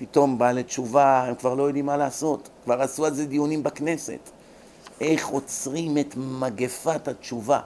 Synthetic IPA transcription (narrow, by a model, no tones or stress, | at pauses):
pit̪o̞mbalet͡ʃuvahemkvaʁlo̞jo̞d̪imːalaːso̞t̪kvaʁasualze̞d̪ijunimbakne̞se̞̰t̪ | e̞χo̞t͡sʁime̞t̪maɡefathatt͡ʃuva̰